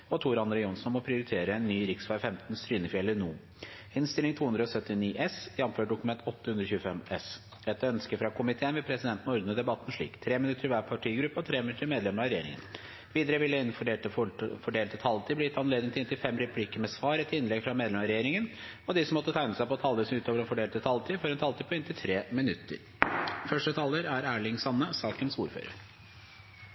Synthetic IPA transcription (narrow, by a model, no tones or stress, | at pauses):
ɔt̪ʰuːɾɑnd̪ɾəjɔnsɔnmɔpʰɾɪʊɾɪt̪ʰeːɾəɛnːyːɾɪksfɑɾfɛmt̪n̩st̪ɾyːnəfɪɛlːənuː | ɪnst̪ɪlɪŋt̪ʰuːʉnd̪ɾəɔsœt̪ːɪniːʔɛsjɛmːəmføːɖʊkʉmɛnt̪ʰɔt̪ːəhʉnd̪ɾəçʉːfɛmɛs | ɛt̪ːəœnskəfɾɑkʰʊmɪt̪ʰeːənʋɛpʰɾɛsɪd̪ɛnt̪n̩ɔɾd̪n̩əd̪ɛbɑt̪ːn̩ʂɭḭːkt̪ʰɾeːmɪnʉt̪ːəɾɪʋæːpʰɑʈʰiːɡɾʉpːəɔt̪ʰɾeːmɪnʉt̪əmeːd̪lɛməɾɑɾɛjeːɾɪ̰ŋə̰n | ʋiːd̪əɾəʋɪlːəɪnfɔɖeːlt̪əfɔɖeːlt̪ʰət̪ʰɑlt̪ʰiːblɪjɪt̪ːɑnleːd̪ɪŋt̪ɪɪnt̪ʰɪlfɛmːɾɛpʰlikəmɛsʋɑːɾɛt̪ɪnlɛɡfɾɑmeːd̪lɛmɑɾɛjeːɾɪŋən | ɔd̪ɪsɔmɔt̪ːət̪ʰæɪnəsæɪpɔt̪ʰɑːləs̩ʉːt̪oːʋəɾɛnfɔɖeːlt̪ət̪ʰɑlt̪ʰiːfɔɾɛnt̪ʰɑlt̪iːpʰɔɪnt̪ʰɪlt̪ʰɾeːmɪnʉt̪ːə̰ɾ | fœʂʈət̪ʰɑːlːəɾæɾæːɭɪŋsɑnːəsɑːkənsuːɾfø̰ːɾə̰ɾ